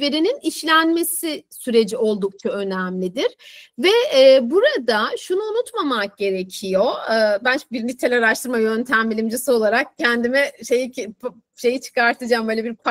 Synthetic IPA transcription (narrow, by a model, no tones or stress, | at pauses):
veɾininiʃlʲænme̞sisyɾe̞d͡ʒio̞lˠd̪uk̚t͡ʃʰaø̞næmlʲid̪iɾ̥vɛːbuɾad̪aʃunuunut̪mamak̚ɟ̥e̞ɾe̞cʰijo̞ːbænbiɾnit̪ʰelʲaɾaʃt̪ʰɯɾmajø̞nt̪ʰæmbilʲimd͡ʒisɯo̞lˠaɾak̚cʰːɛnd̪imɛʃejip | ʃe̞jit͡ʃʰɯ̥kaɾt̪ʰɯd͡ʒaːmbøːlʲebiɾpʰ